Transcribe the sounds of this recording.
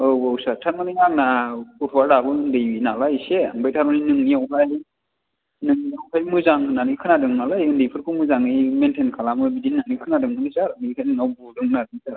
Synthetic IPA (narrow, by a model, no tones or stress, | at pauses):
ɯbawsatʰanmaniŋaŋnakutʰwaɾɾabɯɯndɯjbinalajseaŋbajtʰaɾmaninɯŋniawkʰaj | nɯŋniawkʰajmɯzaŋɯnanikʰɯnadɯŋnalajɯndijpʰɯɾkʰɯmɯzaŋɯjmentʰenkʰalamɯbidinanikʰɯnadɯŋanɯzaɾɯŋikʰajnɯnawbudɯŋɯnadɯŋzaɾ